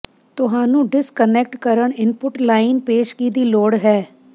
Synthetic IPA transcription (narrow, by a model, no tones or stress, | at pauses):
t̪ʊɦaːnũːɖɪskənɛk̚ʈkəɾəɳɪnpʊʈlaːɪnpeːʃkiːd̪iːloːɽɦɛː